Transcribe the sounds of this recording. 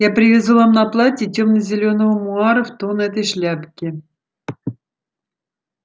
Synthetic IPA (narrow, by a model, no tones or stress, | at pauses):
japɾʲɪvʲɪzuvamnɐplˠatʲɪtʲomnəzʲɪlʲo̞nəvəmʊɑɾəft̪o̞nɛt̪əjʂlʲæpkʲɪ